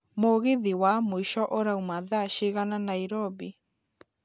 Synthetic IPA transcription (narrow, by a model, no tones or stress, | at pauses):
moɣeðiwamoiʃɔʔoɾaumaðaʃeɣananaiɾɔbi